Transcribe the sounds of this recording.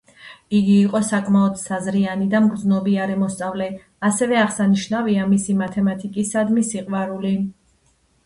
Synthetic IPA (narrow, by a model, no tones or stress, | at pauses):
iɡiːqʼɔsakʼmaɔd̪̥sazɾianid̪amɡɾd̪znɔbiaɾɛmɔst̪sʼavlɛ | asɛvɛaʁsaniʃnaviamisimat̪ʰɛmat̪ʰikʼisad̪misiqʼwaɾuli